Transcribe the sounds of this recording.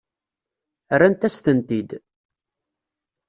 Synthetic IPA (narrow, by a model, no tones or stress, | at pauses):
rːænt̪æst̪ənt̪id̪